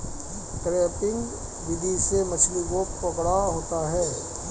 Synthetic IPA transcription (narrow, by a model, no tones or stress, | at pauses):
kɾeːpɪ̃ŋɡ | ʋɪd̪iʃemɐt͡ʃlikopɐkɽaɦoːt̪aɦɛː